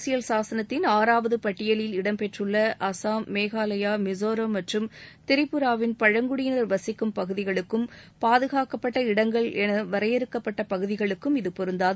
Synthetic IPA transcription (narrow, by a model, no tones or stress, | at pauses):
sɪjɐlsaːsɐnɐt̪ːɪnaːɾaːʋɐðɯpɐʈːɪjɐlɪlɪɽɐmpɛʈrɯɭːɐʔɐsaːmːeːɣaːlɐjaːmɪzoːɾomɐʈrɯmt̪ɪɾɪpːɯɾaːʋɪnpɐɻɐŋɡʊɽɪjnɐɾʋɐsɪkːɯmpɐɣɯðɪɣɐɭɯkːɯmpaːðɯɣaːkɐpːɐʈːɐɪɽɐŋɡɐɭɛnɐʋɐɾɐjɛɾɯkːɐpːɐʈːɐpɐɣɯðɪɣɐɭɯkːɯmɪðɯpɔɾɯnd̪aː